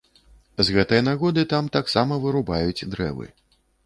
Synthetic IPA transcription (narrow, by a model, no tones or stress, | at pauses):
zɣɛt̪ɨjɐnaɣɔd̪ɨt̪amt̪aksamɐvɨɾubajut͡sʲd̪ɾɛ̰vɨ̰